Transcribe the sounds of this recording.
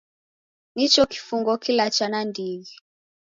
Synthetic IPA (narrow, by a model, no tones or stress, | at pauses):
nit͡ʃɔki̥fuŋɡɔkilat͡ʃanandiɡi